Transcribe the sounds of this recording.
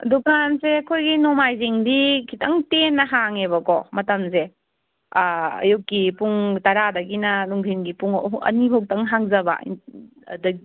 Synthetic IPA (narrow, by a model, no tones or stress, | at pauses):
dukʰansekʰojɡinomajziŋdikʰitʰɐŋtenːɐɦaŋeβɐkɔmɐtɐmze | ɐ̰jukːipuŋtɐɾadɐɡinɐnuŋɡʰʱinɡipuŋɐ̰niɦok̚tɐŋɦaŋzɐba̰ | dɐɡi